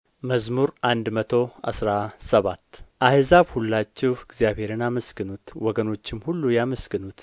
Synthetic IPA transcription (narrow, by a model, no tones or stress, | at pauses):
məzmuɾand̪mət̪ʰo̞a̰sɾasəβat̪ːʔahzaβhulːat͡ʃːɛwɪɡzjaβhe̞ɾɨnaməsɡɨnut̪wɔɡəno̞t͡ʃːɪmhulːujaməsɡɨnut̪